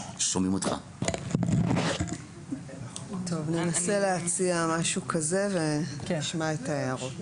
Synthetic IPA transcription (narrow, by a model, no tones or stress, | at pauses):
ʃomimotχa̰ | tʰo̞vne̞nase̞leat͡siamaʃukʰaze̞ve̞iʃmaetaeʁo